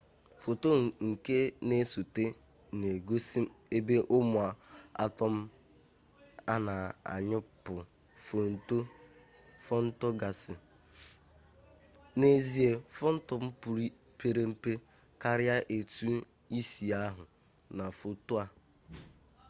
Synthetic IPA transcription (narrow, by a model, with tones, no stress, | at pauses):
fo˨to˦˨ŋ̩˨ke˦ne˦so˨te˦ | ne˨ɡo˦si˦e˦be˦ʔʊ˦mʊ˨a˨a̰˦tɔ˦m̩˦ | a˦na˨a̰˨ɲʊ˦pʊ˨ | fo˨n˦to˦ | fɔ˦n̩˦to˦ɡa˨sɪ˨ | ne˦zi˦e˨fɔ˦n̩˦tɔ˦m̩˦pu˨ɾi˦ | pe˦ɾe˦m̩˦pe˦ | ka˦ɾɪ˦a˦ʔe˨tu˦ | i˦si˨a˦ɦʊ˨ | na˨fo˨to˦a˨